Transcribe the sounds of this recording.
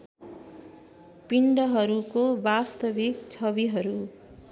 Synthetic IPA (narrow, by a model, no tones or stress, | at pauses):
piɳɖʌɦʌɾukobast̪ʌbikt͡sʰʌbiɦʌɾu